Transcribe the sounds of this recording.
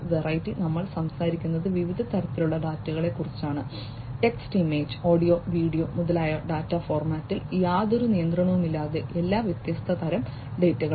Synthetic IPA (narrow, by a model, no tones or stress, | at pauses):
ʋerɐjtːinɐmːɐɭsɐmsaːɾikʲːunːɐðɨʋiʋid̪ʱɐt̪ɐɾɐt̪ːiluɭːɐɖaːtːuɣɐɭe̞kːurit͡ɕːaːɳɨ | ʈe̞ksʈime̞ːd͡ʑo̞ːɽijo̞ːʋiːɽijo̞ːmuðɐlaːjɐɖaːtːafo̞ːrmaːtːiljaːðo̞ɾunijɐnd̪rɐɳɐʋumilːaːðe̞ʔelːaːʋjet̪jɐst̪ʰɐt̪ɐɾɐm | ɖe̞ːtːuɣɐ